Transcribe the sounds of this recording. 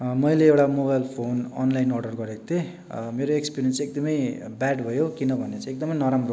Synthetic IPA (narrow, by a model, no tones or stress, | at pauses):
mʌjleewʈamoβajlpʰonʌnlajnɔrɖʌrɡʌɾekot̪e | meɾoekspiɾijʌnsek̚d̪ʌmʌjbaɖbʱʌjokinʌbʱʌnet͡sʌ̃ek̚d̪ʌmʌjnʌɾamro